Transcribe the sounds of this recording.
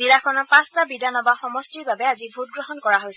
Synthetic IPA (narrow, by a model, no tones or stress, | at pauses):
zilakʰɔnɔpãstabidʱanɔbaxɔmɔstiɹbabɛazibʱut̚ɡɹɔɦɔnkɔɹaɦojsɛ